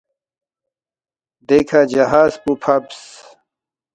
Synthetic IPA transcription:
d̪ekʰad͡ʑɐɦaːzpupʰɐbs

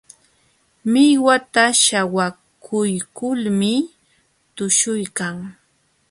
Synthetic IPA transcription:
mɪjwat̪aʃawa | kʰʊjkʊlmɪ | t̪ʊʃʊjkaŋ

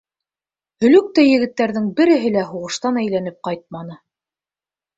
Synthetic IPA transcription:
hɵ̆lɵk̚t̪æjɘ̆ɡɘ̆t̪ːæɾðɘŋbɘ̆ɾɘ̆ɦɘ̆læɦuʁɤ̆ʃt̪ɑnæjlænɘp̚qɑjt̪̚mɑn̪ɤ

